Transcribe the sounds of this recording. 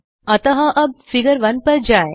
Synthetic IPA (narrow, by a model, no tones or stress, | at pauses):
ɐt̪ɐɦɐʔɐb̚fiɡəɾʋɐnpɐɾd͡ʒaːe